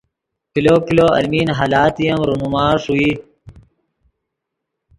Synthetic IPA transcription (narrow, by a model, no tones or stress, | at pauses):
kiloːkiloːɐ̰lmiːnɦalaːt̪ijɐmɾumumaːʂui